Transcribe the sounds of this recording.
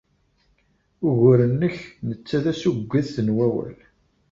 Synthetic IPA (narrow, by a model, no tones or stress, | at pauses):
ʊʝʊɾənːəçnət͡sːæðæsuɡʷːæθθənwæwæ̰l